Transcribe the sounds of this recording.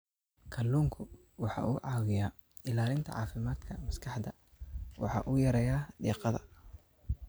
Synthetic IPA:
kʰɐlːuːŋkʰʊ | wɑħɑ̰ʔuːʕɑːwɪjaː | ɪlaːlɪnt̪ʰɐ̰ʕɑ̰ːfɪmaːd̪kʰɐmɐskʰɑħd̪ɐ | wɑ̰ħɑ̰ːʔujɐɾɛjaːd̪iːqɑðɐ̰

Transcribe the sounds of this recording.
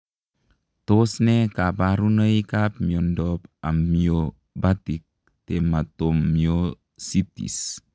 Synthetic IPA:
t̪osnekabaɾunəikap̚miɔndɔpa̰mmio | bat̪ik̚ | t̪emat̪ommio | sit̪ḭs

